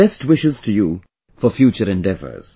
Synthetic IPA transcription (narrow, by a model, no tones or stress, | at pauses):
ɛst̚wɪʃɪz̥tʰɨju | fɔfjut͡ʃəɾɛ̃ndɛvə̰˞z̥